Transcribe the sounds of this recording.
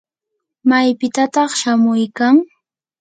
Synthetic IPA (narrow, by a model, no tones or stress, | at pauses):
majpɪt̪at̪ɑχʃamʊjkaŋ